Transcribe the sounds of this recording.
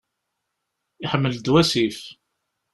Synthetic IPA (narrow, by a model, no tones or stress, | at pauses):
iħəmːəld̪wæsif